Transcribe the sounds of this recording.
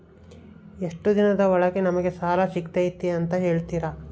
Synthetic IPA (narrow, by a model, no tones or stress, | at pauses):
eʂʈud̪inɐd̪ɐʋɐɭɐɡenɐmɐɡe̞saːlaʃikt̪ejit̪ːiɐnt̪ɐɦe̞ːɭt̪iːɾa